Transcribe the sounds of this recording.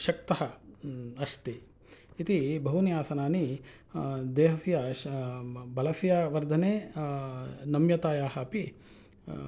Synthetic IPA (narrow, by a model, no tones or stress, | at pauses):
ʃɐk̚t̪ɐɦɐ | ɐst̪iː | t̪ibʱɐɦunijaːsɐnaːni | d̪eːɦɐsjɐ | bɐlɐsjaʋɐɾd̪ʱɐneː | nɐmjɐt̪aːjaːɦɐpi